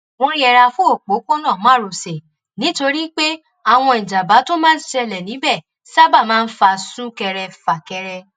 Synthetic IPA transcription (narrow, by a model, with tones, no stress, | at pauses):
ɔ̃˦ɾ̃ĩ˦ɛ˧ɾa˧fu˦o˦˨k͡po˨˦ko˦nã˦˨˦a˦˨ɾo˨se˨ | nĩ˨˦to˧ɾi˦k͡pe˦ | a˦˨w̃ɔ̃˧i˨d͡ʒa˨ba˨˦to˦mãː˦n˦ʃɛ˧lɛ˨nĩ˨˦bɛ˦˨ | sa˦ba˦˨mãː˦˧n̩˦fa˧sũ˦kɛ˧ɾɛ˧fa˨kɛ˧ɾɛ˧